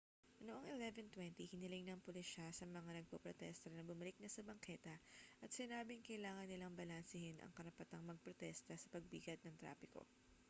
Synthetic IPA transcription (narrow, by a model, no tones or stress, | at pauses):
ɐnoʔoŋʔɪlɛvɛnt̪wɛnt̪ihɪnɪlɪŋnɐŋpʊlɪʃasɐmɐŋanɐɡ̚popɾot̪ɛst̪ɐnɐbʊmɐlɪk̚nɐsɐbɐŋkʰɛːt̪ɐʔɐt̪sɪnaːbɪŋkɐʔɪlaːŋɐnːɪlaŋbɐlɐnsɪhɪnʔɐ̰ŋkɐɾɐpɐt̪aŋmɐɡ̚pɾot̪ɛst̪ɐsɐpɐɡ̚biːɡɐt̪̚nɐŋt̪ɾa̰ːfɪko̞̰